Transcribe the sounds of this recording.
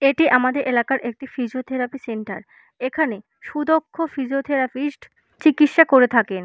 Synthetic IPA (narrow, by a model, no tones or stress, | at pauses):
eʈiʔamad̪eɾʔelakaɾʔek̚ʈifid͡ʑot̪ʰeɾapiseɳʈa̰ɾ | ekʰane | ʃud̪okʰːofid͡ʑot̪ʰeɾapiʃʈ | t͡ɕikitʃakoɾet̪ʰaken